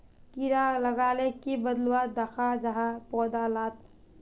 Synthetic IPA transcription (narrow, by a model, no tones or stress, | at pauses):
kiɾaləɡaːlekibəd̪lwad̪əkʰad͡ʒəɦapɔːd̪alaːt̪̚